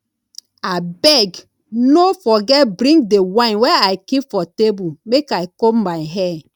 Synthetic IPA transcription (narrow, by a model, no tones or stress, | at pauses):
abɛɡ | nofɔɡɛtbɹĩŋɡdewãnwɛajkipfɔtebumekajkommaɪɦɛ